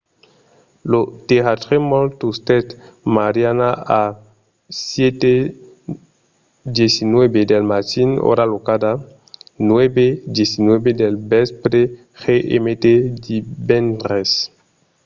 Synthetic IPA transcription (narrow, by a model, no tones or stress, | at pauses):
lot̪eat̪ɾemolt̪ust̪et̪maɾjanaa | sjet̪e | d̪jesinwebed̪elmatino̰ɾalokad̪a | nwebed̪jesinwebed̪elbespɾe | xeʔḛmet̪ed̪ibenɾes